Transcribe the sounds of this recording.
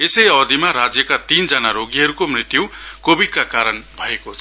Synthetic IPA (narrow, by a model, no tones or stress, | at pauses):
esʌjʌd̪ʱimaɾad͡zjʌkat̪ind͡zʌnaɾoɡiɦʌɾukomrit̪ːjukobidkakaɾʌnbʱʌekot͡sʰ